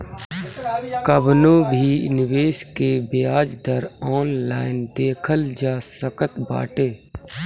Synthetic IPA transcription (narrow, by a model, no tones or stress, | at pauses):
kəbnõːbʱiːnɪʋeːʃkebejaːd͡ʒd̪əɾɔːnlaːɪnd̪eːkʰəld͡ʒaːsəkət̪ba̰ːʈeː